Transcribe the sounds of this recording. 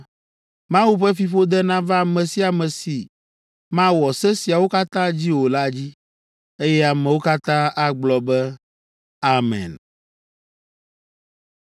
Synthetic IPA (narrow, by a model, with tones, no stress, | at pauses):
mã˦wu˦ɸɛ˦fi˨ɸo˦d̪ɛ˦nã˦va˦˨mɛ̃˨si˦a˨mɛ̃˨si˨ | mã˦wɔ˨sɛ˦si˨a˨wo˦ka˦t̪ã˦d͡ʑi˦wo˨la˦d͡ʑi˦ | e˦jɛ˦a˨mɛ̃˨wo˦ka˦t̪ã˦a˦ɡ͡blɔ˨bɛ˦ | a˦mɛ̰̃˨n